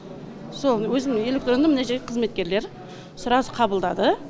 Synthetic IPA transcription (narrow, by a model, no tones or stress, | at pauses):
so̞lˠwɵzɪnɪŋe̞lʲekt̪ro̞nəmɪneʒeɾɡʲeqʰəzme̞t̪̚kʲe̞ɾle̞ɾ | sʊɾɑsəqʰɑbəlˠd̪ɑ̰d̪ə